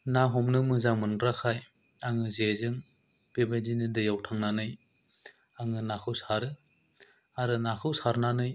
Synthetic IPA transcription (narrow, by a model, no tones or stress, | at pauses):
naɦɔmnɯmɯzaŋmɯnɡɾakʰaj | aŋɯzezɯŋ | b̥ebajdinɯdɯjawtʰaŋnanɯj | aŋɯnakʰɯwsaɾɯ | aɾɯnakʰɯwsaɾnanɯj